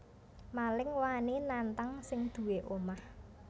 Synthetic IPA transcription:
malɪŋwaanenant̪aŋsɪŋd̪̥ṳweʔomah

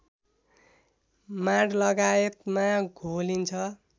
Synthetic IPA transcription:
maɽlʌɡajet̪maɡʱolint͡sʰʌ

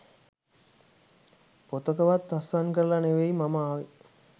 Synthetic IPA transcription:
pot̪əkəʋat̪ːasankəɾəlaneʋejmamaːʋi

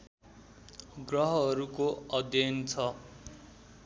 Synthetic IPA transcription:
ɡrʌɦʌʌɾukoʌd̪jʌnt͡sʰʌ

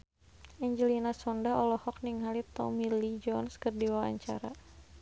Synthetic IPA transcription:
ʔɛɲd͡ʒəlinasɔndaɔlɔhɔk̚niŋɦalit̪ɔ̰milid͡ʒɔnskərdiwaa̰ɲt͡ʃa̰ɾa̰

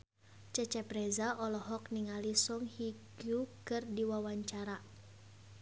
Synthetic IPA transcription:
t͡ʃət͡ʃɛprɛzaʔɔlɔɦɔk̚niŋalisɔŋhiɡukɨrdiwawaɲt͡ʃaɾa

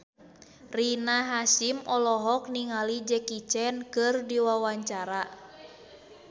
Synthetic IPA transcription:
rinaɦasimʔɔlɔɦɔk̚niŋalid͡ʒɛkit͡ʃɛnkɨrdiwawaɲt͡ʃaɾa

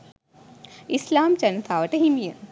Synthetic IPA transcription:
islaːmt͡ʃɐnt̪ʰaːʋɐʈɐɦimijɐ

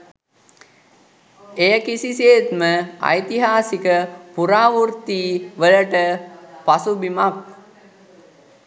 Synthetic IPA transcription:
ejəkisiseːt̪məɐ̰jt̪iɦaːsikəpuɾaːʋurt̪iːʋələʈəpasubimak̚

